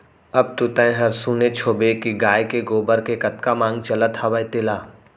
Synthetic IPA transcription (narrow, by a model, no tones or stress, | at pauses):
ɐb̚t̪ut̪ə̃ẽɦɐɾsuːnet͡ʃʰoːbekiɡaːjkeɡoːbəɾkekɐt̪kamãːŋɡ̚t͡ʃɐlət̪ʰhaʋəjt̪ɪlaː